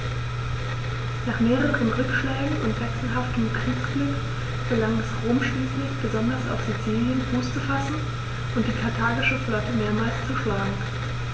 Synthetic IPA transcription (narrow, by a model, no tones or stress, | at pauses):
naːχmeːʁəʁənʁʏkʃlɛːɡŋ̩ʊntv̥ɛksl̩ɦaftəm̩kʁ̥iːkskliːk | ɡ̥əlaŋɛsʁoːmʃliːslɪçb̥əzɔndɐsa̰ʊfz̥ut͡siːljənfuːst͡səfasn̩ | ʔʊnt̚d̥iːkʰaɐtʰaːɡɪʃəflɔtəmeːɐmaːlst͡sɛʃlaːɡŋ̩